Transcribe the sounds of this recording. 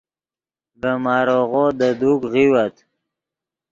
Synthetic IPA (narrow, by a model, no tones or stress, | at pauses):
bəmɑːɾoɣod̪əd̪ukʁiwat̪